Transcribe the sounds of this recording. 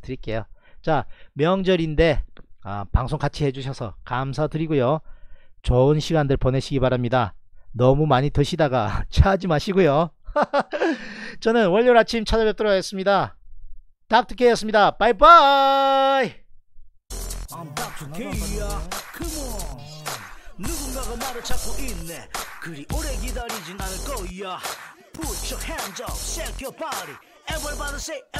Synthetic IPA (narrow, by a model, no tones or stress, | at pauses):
tɯɾik͈e̞jot͡ɕamjʌŋd͡ʑʌɾinde̞a̰paŋsʰoŋkat͡ɕʰihe̞d͡ʑuɕʰʌsʰʌ̰kamsʰadɯɾiɡojo | t͡ɕʌɯnɕʰiɡandɯɭpʌne̞ɕʰiɡipaɾamɲidanʌmumaɲitɯɕʰidaɡat͡ɕʰad͡ʑimaɕʰiɡojo | t͡ɕʌnɯnwʌʎːoɾat͡ɕʰimt͡ɕʰad͡ʑʌbjʌk̚t͈ɯɾoɡaes͈ɯmɲida | tak̚tʰɯ̥kʰejʌs͈ɯmɲidabajba | j | ant̪ak̚tʰɯkejakɯmʌ | nuɡunɡaɡamaɾɯt͡ɕʰak͈oʔinːekɯɾiʔoɾeɡid̪aɾid͡ʑinanɯɭk͈ʌja | put͡ɕʰʌkhend͡ʑʌsekjopaɾi | ɛbʌɭbaɾɯse